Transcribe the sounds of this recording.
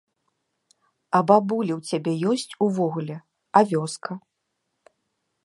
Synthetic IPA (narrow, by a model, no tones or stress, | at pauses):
ɐbabulʲiwt͡sʲabʲɛjɔsʲt͡sʲuvɔɣulʲɛ | ɐvʲɔskʰɐ